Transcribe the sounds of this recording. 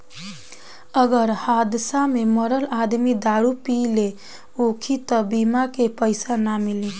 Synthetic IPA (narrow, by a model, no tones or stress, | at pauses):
əɡəɾhad̪sameməɾəlad̪mid̪aɽupile | okʰit̪əbimakepəɪsanamili